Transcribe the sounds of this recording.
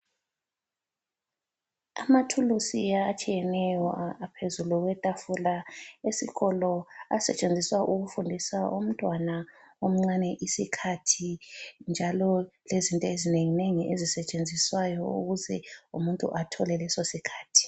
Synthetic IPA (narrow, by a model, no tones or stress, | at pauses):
a̰matʰulusiat͡ʃʼijɛnɛjɔapʰezuluɣwɛtʼafulaesḭɣɔlɔa̰sɛt͡ʃʼend͡zʱiswaʔuɣufundʱisaʔum̩tʼwanaom̩ŋ͡ǀanɛʔisikʰatʰind͡ʒʱalɔlezintʼɔezineŋineŋiʔezisɛt͡ʃʼend͡zʱiswajɔ̰ṵɣuzɛṵmuntʼṵʔatʰɔlɛlɛsosikʰaːtʰi̥